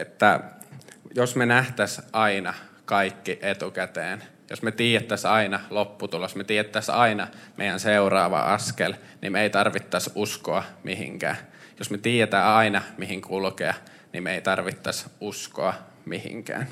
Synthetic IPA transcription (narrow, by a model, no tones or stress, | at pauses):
et̪ːæ | josmenæht̪æsʔɑinɑ | kɑikːiʔet̪ukæt̪eːn | jo̰smet̪iːjæt̪ːæsɑinɑlopːut̪ulosmet̪iːjæt̪ːæsɑinɑmʔḛijænseurɑːʋɑ̰ʔɑskel | nḭmeit̪ɑrʋit̪ːɑsuskoɑmihḭŋkæ̰ːjosmet̪iːjæt̪æːɑinɑmihiŋkʰulkeɑ | nimmeit̪ɑrʋit̪ːɑsuskoɑ | mihḭŋkæ̰ːn